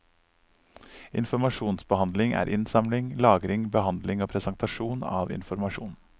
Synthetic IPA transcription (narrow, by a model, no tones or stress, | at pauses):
ɪ̰nfɔɾmɑʃuːnsbəhɑnd̪lɪŋʔæ̰ːɾʔɪnsɑmlɪŋlɑːɡɾɪŋbəhɑnd̪lɪŋoːpʰɾɛsɑnt̪ʰɑʃuːnɑ̰ːʋɪ̰nfɔɾmɑʂṵːn